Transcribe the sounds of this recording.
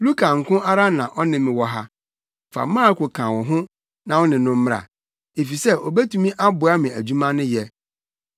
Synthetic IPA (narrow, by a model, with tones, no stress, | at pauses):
lu˦kʰã˨ŋ̩˨kʊ̃˦ʔa˦ɾa˦nã˨ʔɔ˦nɪ̃˨mɪ̃˨wɔ˦ɦa˦ | fa̰˨mãː˦kʰo˨kʰã˨wɔ˨ɦʊ̃˦ | nã˨wɔ˦nɪ̃˨nʊ̃˦m̩˦m˦ɾa̰˨ | e˨fi˨sɛ˦ʔɔ˨bɛ˦tũ˦mĩ˦ʔa˦bʊ˨a˦mɪ̃˨æ˨d͡ʑu˦mã˦nʊ̃˦jɛ˦